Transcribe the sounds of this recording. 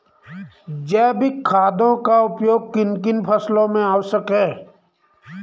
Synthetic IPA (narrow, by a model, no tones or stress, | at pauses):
d͡ʒɛːbʱikʰaːd̪õkaʊpjoːɡ̚kɪnkɪnpʰəslõmẽaːwsəkɦɛː